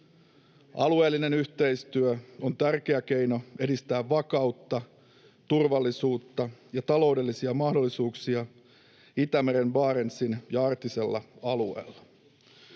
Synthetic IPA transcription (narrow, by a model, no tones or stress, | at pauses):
ɑ̰lue̞ːlːine̞nyçt̪e̞ijst̪yøont̪ærk̟e̞æk̟e̞jno̞e̞dist̪æːʋʋɑkɑut̪ːɑ | t̪urʋɑlːisuːt̪ːɑjɑt̪ɑlo̞ude̞lːisiɑmɑhdo̞lːisuːksiɑ | it̪æmeɾe̞nʋɑːɾe̞nsinjɑɑrt̪ise̞lːɑ̰ɑlue̞̰ːlːɑ